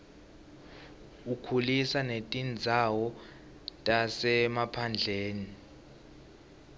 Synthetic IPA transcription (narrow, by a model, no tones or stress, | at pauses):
ukʰulisanetʼind͡zʱawɔ | tʼasɛmapʰand͡ɮʱeːni